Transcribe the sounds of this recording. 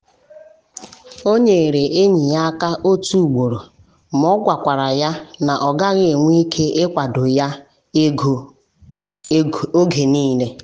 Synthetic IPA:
o˦ɲe˨e˨ɾe˨ʔe˦ɲi˨ja˦ka˦ʔo˦tu˦u˨ɡ͡bo˨ɾo˨ | m˦ɔ˦ɡʷa˨kʷa˨ɾa˨ja˦na˨ʔɔ˨ɡa˦ɣe˨ŋʷi˦kʰe˦ʔe˦kʷa˨dʊ˨ja˦ | o˦ɡʱe˨niː˦le˦

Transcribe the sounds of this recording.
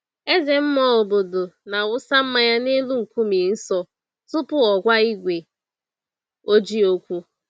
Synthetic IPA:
e˦ze˨m̩˦mɔ˦lʊ˨bo˨do˨na˨wʊ˦sa˦m̩˦ma˦ja˦ne˦lu˦ŋ̩˨kʷu˦mi˨n̩˦sɔ˦ | tʊ˦pʊ˦ɔ˨ɡʷa˦i˦ɡʷe˨ | o˦d͡ʒi˦o˦kʷu˦

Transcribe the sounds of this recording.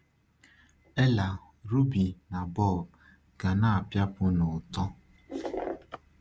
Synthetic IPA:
e˦la˨ | ɾu˦bi˨na˨bɔ˦˨b | ɡ̥a˨na˦a˨pja˦pʊ˦nʊ˨tɔ˦

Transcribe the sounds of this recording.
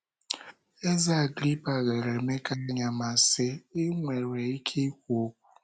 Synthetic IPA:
a˦za˦a˨ɡɾi˦pa˨ɣe˨ɾe˨me˦ka˦a˦ɲa˨ma˨sɪ˦ɪ˦ŋʷe˨ɾe˨i˦kʰe˦i˦kʷu˨o˦kʷu̥˨

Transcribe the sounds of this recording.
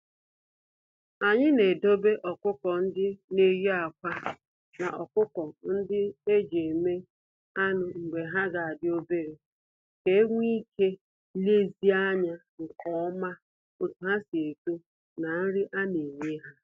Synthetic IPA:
a˨ɲɪ˦ne˨do˦be˦ʔɔ˨kʊ˦kɔ˨n̩˦dɪ˦ne˦jo˦a˨kʷa˦ | na˨ʔɔ˨kʷʊ˦kɔ˨n̩˦dɪ˦e˦d͡ʒe˨me˦ | a˦nʊ˨ŋ̩˨ɡ͡be˨ɦa˦ɡa˨a˨dɪ˦o˦be˦ɾe˨ | ke˦ŋʷi˦kʰe˦ | le˦zi˦a˦ɲa˦ | ŋ̩˨kɔ˦ɔ˦ma˦ | o˨tu˨ɦa˦si˨e˨ke˦ | na˨n̩˦ɾɪ˦ʔa˦ne˨ɲe˦ɦa˦

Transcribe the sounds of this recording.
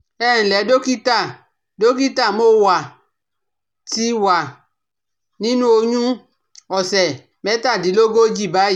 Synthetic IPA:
ɛ˦˨ñ̩˨lɛ˨˦do˦ki˦ta˦˨ | do˦k̬i˦ta˦˨mo˦˨wa˨ | ti˧wa˨ | nĩ˦nũ˦o˧ɲũ˦ | ɔ˨sɛ˨ | mɛ˨˦ta˦˨di˨˦lo˦ɡo˦d͡ʒi˦˨ba˨˦i˦˨

